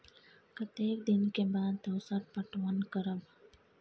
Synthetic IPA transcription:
kɐt̪eːk̚d̪ɪnkebaːd̪t̪ɐwsaʈ̚pɐʈʋɐnkəɾəb

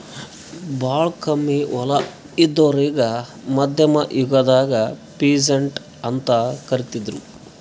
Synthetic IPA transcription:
baːɭkɐmːiʋɐlɐ | id̪ːoɾiːɡɐ | mɐd̪ʱjɐmɐʔjuɡɐd̪aːɡɐpiːd͡ʒɐɳʈ | ɐnt̪ɐkɐɾit̪id̪ɾu

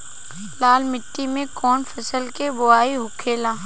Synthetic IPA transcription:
laːlmɪʈːimẽkɔːnfəsəlkebʊaːiɦʊkʰeːlãː

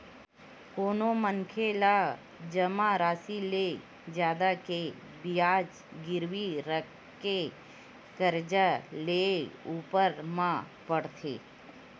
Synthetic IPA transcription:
koːnomənkʰela | d͡ʒəmaɾaːsile | d͡ʒjaːd̪ake | bijaːd͡ʒ | ɡɪɾʋiɾə | ke | kəɾd͡ʒaleuːpəɾmã | pəɽt̪ʰḛː

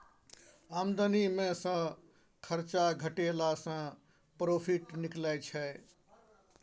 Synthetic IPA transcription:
amd̪ənimẽsə̃ | kʰəɾt͡ʃaɡʱəʈelasə̃ | pɾopʰiʈniklɛjt͡ʃʰɛ

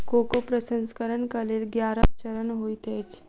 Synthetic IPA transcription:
kokopɾəsə̃nskəɾənkəlelɡjaɾat͡ʃəɾənɦoit̪et͡ʃ

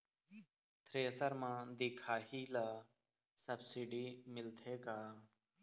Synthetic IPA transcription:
t̪ʰɾeːsəɾmãːd̪ɪkʰaːɦiːla | səbsiɖiːmɪlt̪ʰeːkaː

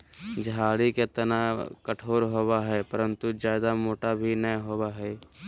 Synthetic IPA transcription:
d͡ʒʱaːɽiket̪ɐnakəʈʰoːɾɦowaɦɛːpɐɾə̃nt̪ud͡ʒjaːd̪amoːʈabʱinɐjɦoːwaɦɛː

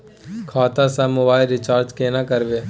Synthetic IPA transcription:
kʰaːt̪asamʊbaːɪlɾɪt͡ʃaːɾd͡ʒkeːnakəɾʋeː

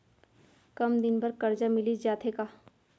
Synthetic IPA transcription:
kɐmd̪ɪnbɐɾkɐɾd͡ʒamɪlid͡ʒaːt̪ʰekaː

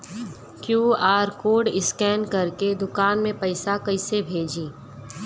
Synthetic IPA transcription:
kjuːaːɾkoːɖɪskɛːnkɐɾked̪ʊkaːnmẽpɐɪsakɐɪsebʱeːd͡ʒiː

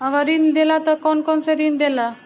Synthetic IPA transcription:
əɡaɾind̪elat̪əkɔnkɔnsed̪iːnd̪ela

